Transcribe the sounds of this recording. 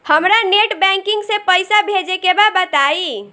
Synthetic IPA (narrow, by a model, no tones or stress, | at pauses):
həmɾaneʈbɛ̃ŋkiŋɡsẽpəjsabʱed͡ʒekebabət̪ai